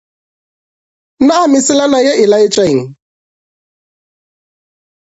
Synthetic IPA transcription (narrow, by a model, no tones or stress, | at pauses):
naamisilanajɛʔilajit͡ʃaiŋ̩